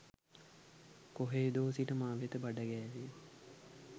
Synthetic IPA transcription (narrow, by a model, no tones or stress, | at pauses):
koɦeːd̪oːsiʈəmaːʋet̪əbaɖəɡɛːʋe